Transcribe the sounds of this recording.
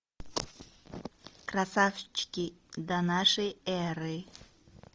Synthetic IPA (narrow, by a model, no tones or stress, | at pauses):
krasaft͡ʃkʲid̪ɐnaʂɨjɛɾɨ